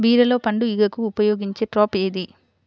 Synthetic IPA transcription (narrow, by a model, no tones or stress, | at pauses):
ʋiːɾɐlo̞ːpɐɳɖuiɡɐkuːpɐjoːɡiɲt͡ʃe̞ːʈɾoːpeːd̪i